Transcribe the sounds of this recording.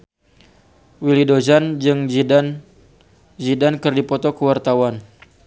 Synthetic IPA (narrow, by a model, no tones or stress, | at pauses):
wilidozand͡ʒɨŋd͡ʒidan | zidankɨrdipɔt̪ɔkəwart̪awan